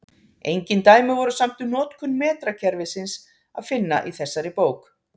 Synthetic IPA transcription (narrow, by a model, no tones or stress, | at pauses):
ejɲcɪnt̪aːjmɪvɔɾʏsam̥t̪ʏnɔːt̪kʰʏnmɛːt̪ɾacʰɛɾvɪsɪns | a̰ðfɪnːa̰ʔiθɛsːaɾɪpoːwk